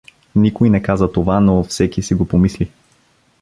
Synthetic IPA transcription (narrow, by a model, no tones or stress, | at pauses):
nikojnɛkazət̪ovanofsɛkisiɡopomisli